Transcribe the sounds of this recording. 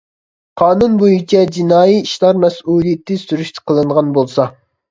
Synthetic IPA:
qʰɑːnunbojit͡ʃʰɛd͡ʒinɑːjiiʃlˠɑɾmɛsuːlˠijɪt̪ʰɪsyɾyʃt̪ʰɪ̥qʰəlˠɨɴʁɑnbolˠsɑ

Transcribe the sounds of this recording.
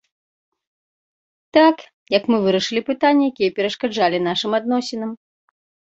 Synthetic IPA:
t̪ak | jɐkmɨvɨɾɐʂɨlʲipɨt̪anʲːɐjakʲijɐpʲɛɾɐʂkad͡ʐalʲinaʂɨmad̪̚nɔsʲɛnɐm

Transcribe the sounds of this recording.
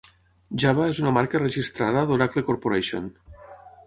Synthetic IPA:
ʒaβaezunamaɾkarəʒist̪ɾaðəðoɾaklekoɾpoɾeʃo̰n

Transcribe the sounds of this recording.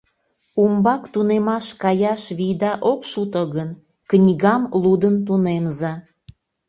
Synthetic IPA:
umbɑkt̪unemɑʃkɑjɑʃβijd̪ɑʔokʃut̪əɣən | knʲiɣɑmlud̪ənt̪̬unemzɑ

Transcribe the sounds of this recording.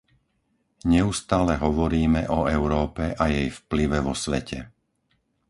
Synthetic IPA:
ɲɛust̪aːlɛɦɔʋɔɾiːmɛʔɔɛʊɾɔːpɛʔajɛjfpliʋɛʋɔsʋɛ̰cʰɛ̰

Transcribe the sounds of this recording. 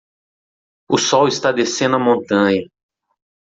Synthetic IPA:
ʊsɔwist̪ad̪esẽnd̪ʊɐmõnt̪ɐ̃ɲɐ

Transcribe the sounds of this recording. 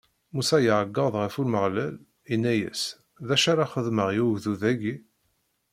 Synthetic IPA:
musæjəʕəɡːəʁðˤʁəfulməʁlæl | inːæjə̰s | ðæʃaɾaχəðməʁjuʝðuðæɡi

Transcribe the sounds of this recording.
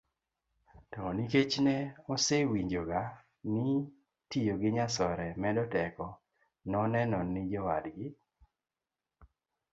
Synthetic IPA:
tɔniket͡ʃnɛɔsewiɲd͡ʒoɡa | ni | tijoɡɪɲasɔɾɛmɛdɔtɛkɔ | nɔnɛnɔnɪd͡ʒɔwa̰dɡɪ

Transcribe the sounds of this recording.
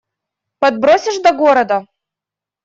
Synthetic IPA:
pɐd̪̚bɾosʲɪʂd̪ɐɡoɾɐd̪ɐ

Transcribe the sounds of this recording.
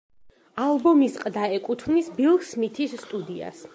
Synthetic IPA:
alˠbɔmisqʼd̪aɛkʼut̪ʰnisbilˠksmit̪ʰisːt̪ʼud̪ia̰s

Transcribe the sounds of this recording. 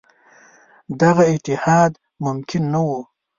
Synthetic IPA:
d̪aɣaɪt̪ɪhɑd̪ | mʊmkʰɪnːawu

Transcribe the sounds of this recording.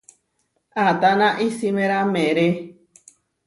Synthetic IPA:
at̪anãʔisimẽɾamẽɾe

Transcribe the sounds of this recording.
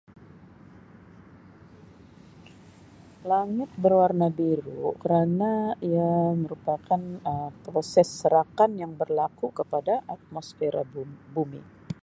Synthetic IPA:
laŋɪt̪̚bərwarnabiɾṵkəɾanaiaməɾupakanəmpɾosɛsːəɾakanjaŋbərlakukəpadaʔat̪̚mɔsfeɾa̰bumḭ

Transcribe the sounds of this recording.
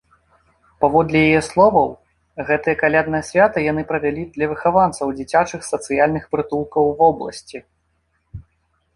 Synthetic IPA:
pavɔd̪lʲɛjajɛslˠɔvɐw | ɣɛt̪ɨjɐkalʲad̪nɐjɐsʲvʲat̪ɐjanɨpɾɐvʲalʲid̪lʲɐvɨxavant̪sɐwd͡zʲit͡sʲat͡ʂɨxsɐt̪sɨjalʲnɨxpɾɨt̪ulˠkɐwvɔblˠɐ̰sʲt͡sʲi

